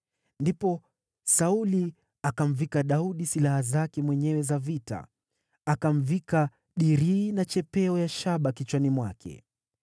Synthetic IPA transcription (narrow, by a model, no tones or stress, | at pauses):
ndipɔ | sauli | akam̩vikaɗauɗisilahazakɛmwɛɲɛwɛzavita̰ | akam̩vika | ɗiɾiːnat͡ʃɛpɛɔjaʃaɓakit͡ʃwanimwakʰɛ̰